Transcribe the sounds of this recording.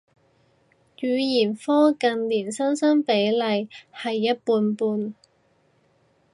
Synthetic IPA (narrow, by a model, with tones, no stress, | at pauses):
jyː˨˧jiː˨˩nfɔː˥kɐ˨nliː˨˩nsɐ˥nsɐ˥npe˨˥jlɐ˨˧jhɐ˨jːɐ˥t̚puː˧npuː˧n